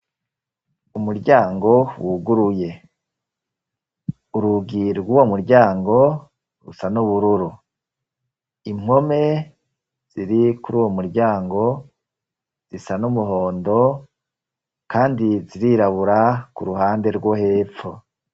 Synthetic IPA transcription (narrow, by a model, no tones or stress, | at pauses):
umuɾɟaːŋɡo̞wuɡuɾuje̞ | uɾuɡiɾɡuːwo̞muɾɟaːŋɡo̞ | ɾṵsanuβuɾuɾu | im̥ho̞me̞ | z̥iɾikuɾuːwomuɾɟaːŋɡo̞ | z̥isanumuɦo̞ːndo̞ | kaːndiziɾiɾaβuɾakuɾuhaːnde̞ɾɡwohe̞ːfo